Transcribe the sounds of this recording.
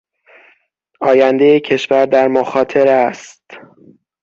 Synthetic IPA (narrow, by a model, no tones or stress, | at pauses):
ʔɒːjænd̪e̞jecʰe̞ʃvæɾd̪æɾmoxɒːt̪ʰe̞ɾæst̪